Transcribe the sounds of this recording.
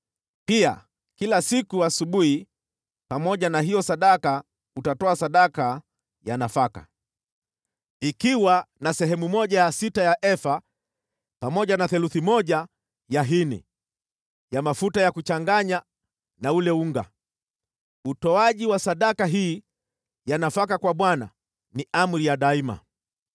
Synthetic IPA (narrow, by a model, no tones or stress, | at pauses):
pia̰ | kilasikuasuɓuhi | pamɔʄanaɦijɔsaɗaka | utatɔasaɗaka | janafaka̰ | ikiwanasɛɦɛmumɔʄajasitajaʔɛfa | pamɔʄanaθɛluθimɔʄa | jaɦinḭ | jamafutajakut͡ʃaŋɡaɲa | naulɛuŋɡa̰ | utɔaʄiwasaɗakaɦiː | janafakakwaɓwana̰ | niʔam̩ɾijaɗaima̰